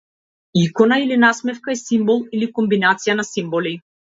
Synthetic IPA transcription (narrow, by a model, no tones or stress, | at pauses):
ikɔnailinasmɛfkaɛsimbɔlˠilikɔmbinat̪sijanasimbɔli